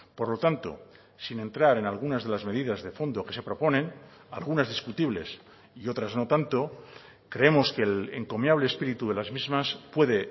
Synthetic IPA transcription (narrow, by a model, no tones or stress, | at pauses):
po̞ɾlo̞t̪ant̪o̞̰ | sine̞nt̪ɾaɾe̞nalɣ̞unazðe̞lazme̞ðiðazðe̞fo̞nd̪o̞ke̞se̞pɾo̞po̞nẽ̞na̰lɣunazðiskut̪iβle̞̰s | io̞t̪ɾazno̞t̪ant̪o̞ | kɾe̞emo̞ske̞leŋko̞mjaβ̞le̞ːspiɾit̪uðe̞lazmizmaspwe̞ðe̞